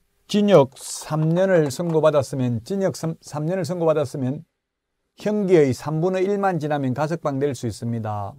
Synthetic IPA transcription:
t͡ɕiɲʌk̚sʰamɲʌnɯɭsʰʌŋɡobadas͈ɯmjʌnt͡ɕiɲʌk̚sʰamɲʌnɯɭsʰʌŋɡobadas͈ɯmjʌn | çjʌŋɡiɯjsʰambunɯiɭmant͡ɕinɦamjʌnkas̬ʰɯk̚p͈aŋdwe̞ɭs͈uis͈ɯmɲida̰

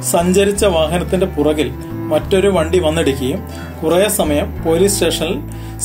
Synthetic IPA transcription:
sɐɲd͡ʑɐɾit͡ɕːɐʋaːɦɐnɐt̪ːinde̞purɐɣil | mɐtːo̞ɾuʋɐɳɖiʋɐnːiɽikʲːɐjum | kurɐjɐsɐmɐjɐmpo̞ːliːsʈe̞ːʂɐnɐl

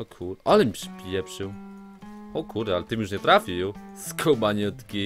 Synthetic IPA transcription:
ɔkʰuɾʔalɛmʲipʂpʲjɛpʂɨw | ɔkʰuɾd̪alɛt̪ɨmjuʂɲɛt̪ɾafʲijuskʰobaɲɔt̪kʲi

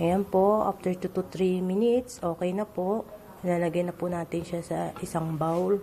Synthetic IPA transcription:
ɐjanpo̞ʔa̰ft̪ɛɹt̪ut̪ut̪ɾimɪnɪt̪sʔo̞ːkɛjnɐpo̞ʔ | naːlɐɡɐjnɐpʊnaːt̪ɪnʃasɐʔɪsaŋbawl

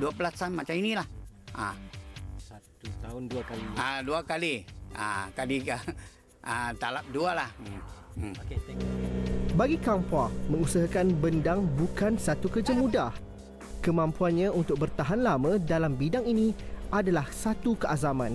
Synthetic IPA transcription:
duapəlasanmat͡ʃaminilahʔa | andkaliaduakalia̰kadika | at̪alap̚dualah̩ | baɡikampaŋmə̃ŋusaɦakanbəndaŋbukansat̪ukərd͡ʒamudah | kəmãmpuanɲãunt̪ʊk̚bərt̪aɦanlamãdalambidaŋinĩʔadalahsat̪ukəʔazamãn

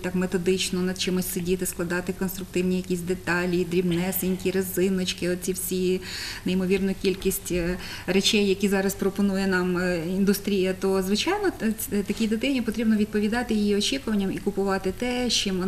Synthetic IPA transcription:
t̪ɑkmet̪ɔd̪ɪt͡ʃnɔnɐd̪̚t͡ʃɪmʊsʲtʲsedʲit̪ɪsklˠɐd̪ɑt̪ɪkɔnst̪ɾʊk̚t̪ɪwnʲijɐkʲisʲd̪et̪ɑlʲid̪ɾʲibnɛsɪnʲkʲiɾɐzɪnɔt͡ʃkɪɔt̪̚t͡sʲiwsʲineimɔʋʲirnʊjʊkʲilʲkʲisʲtʲ | ret͡ʃɛjːɐkʲizɑɾɐspɾɔpɔnujɛnɑmind̪ʊst̪ɾʲijɐt̪ɔzʋɪt͡ʃɑjnɔt̪ɐkʲid̪ɪt̪ɪnʲipɔt̪ɾʲibnɔʋʲid̪̚pɔʋʲid̪ɑt̪ɪjɪjiɔt͡ʃʲikʊʋɐnʲːɐmikʊpʊʋɑt̪ɪt̪ɛʃt͡ʃɪmɔ

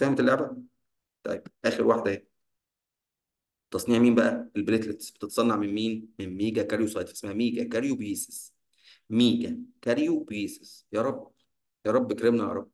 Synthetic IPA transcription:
fæhæmet̪elːoʕbæ | t̪ˤɑ̰jːeb̥ʔæːxeɾwaħd̪æhe | t̪ːɑsˤniːʕmiːmbæʔæelbɾet̪let̪sb̥et̪et̪sˤɑnːɑʕmemmiːnmenmiːɡækæɾjusˤɑjt̪fʔe̥smæhæmiːɡækæɾjubjiːse̥s | miːɡækæɾjubiːsesjɑːɾˤɑb | jɑːɾˤɑbːekɾemnæjɑ̰ːɾˤɑbː

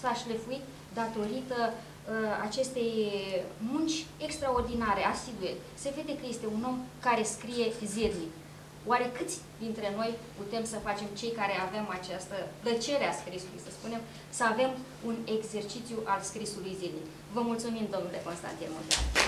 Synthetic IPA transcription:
saʃlefuit̪ | d̪at̪o̞ɾit̪ə | a̰t͡ʃe̞st̪e̞j | munt͡ʃʲe̞kst̪ɾao̞rd̪inaɾe̞asiɡ̪ujet̪ | seve̞d̪e̞kəje̞st̪e̞uno̞mkaɾe̞skɾije̞zid̪nik | oaɾe̞kɨt̪sʲd̪int̪ɾe̞no̞jput̪e̞msəfat͡ʃe̞mt͡ʃe̞jkaɾe̞ave̞mat͡ʃast̪əplət͡ʃe̞ɾeaskɾisulṵjsəspune̞m | səave̞m | une̞ɡze̞rt͡ʃit̪sjuʔalskɾisulujzid̪nik | vəmult̪sumimd̪o̞mnule̞̰ko̞nst̪a̰nt̪inmo̰d̪a̰n

